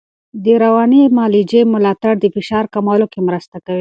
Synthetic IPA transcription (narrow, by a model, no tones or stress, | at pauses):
d̪əɾawɑnimɑlid͡ʒemʊlɑt̪aɽd̪əfɪʃɑɾkamɑlokemɾəst̪akawi